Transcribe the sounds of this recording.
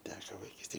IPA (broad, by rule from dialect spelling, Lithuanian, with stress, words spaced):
ˈtʲæːkoː ʋɐɪˈkʲiːsʲtʲeːj